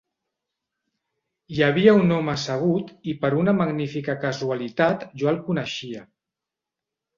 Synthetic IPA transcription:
jaβ̞iəunɔməsəɣ̞ut̪ipəɾunəmaɡnifikəkəzualit̪at̪ʒoəlˠkunəʃiə

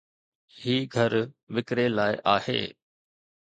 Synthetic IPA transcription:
hiːɡʱəɾʋɪkɾelaːɪʔaːhḛː

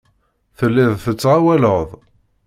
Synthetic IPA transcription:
θəlːɪðθət͡sːʁawæləðˤ

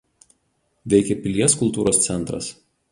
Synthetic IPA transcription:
ʋʲɛɪkʲɛpʲɪlʲiɛskʊlˠt̪uːɾoːst̪sʲɛnˑt̪ɾɐ̰s

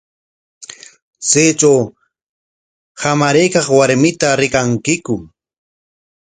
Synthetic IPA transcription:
t͡seːt͡ʃaw | hamaɾejkɑχwaɾmɪt̪aɾɪkaŋkɪkʊ

